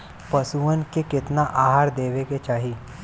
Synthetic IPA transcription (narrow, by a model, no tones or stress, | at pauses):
pɐsuənkekɪt̪naʔaːɦaːɾd̪eːʋeket͡ʃaːɦi